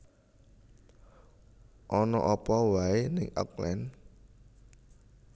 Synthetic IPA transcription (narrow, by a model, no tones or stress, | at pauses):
ʔɔnɔ̰ʔɔpɔwaenɪŋʔa̰klɛ̰n